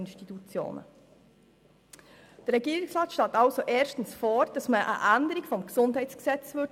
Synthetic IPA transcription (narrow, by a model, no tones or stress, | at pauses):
ɪnʃtitut͡sjo̰ːnə̰ | d̥ərʁɛɡiːɾiksʁɑːtʃtɑːtɑlsoʔɛːʃtən̩sfɔːɾd̥ɑsməʔə̰ʔændəɾikfɔmksʊndhɛɪtsksɛt͡svøt